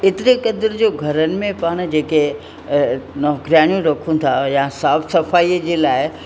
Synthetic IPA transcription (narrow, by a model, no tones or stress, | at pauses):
ɪt̪ɪɾekɐd̪əɾd͡ʑoːɡʱɐɾənɪ̆mẽpaːɽ̃̆d͡ʑeːke | nɔːɦkɾijaːɽ̃jũɾɐkʰũt̪ʰajasaːfsɐfaːiəd͡ʑeːlaːɪ